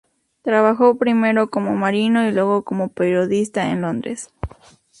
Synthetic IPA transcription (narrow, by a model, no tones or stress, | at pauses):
t̪ɾaβaxopɾime̞ɾo̞komomaɾinoilweɣokomopeɾjoðist̪aḛnlond̪ɾḛs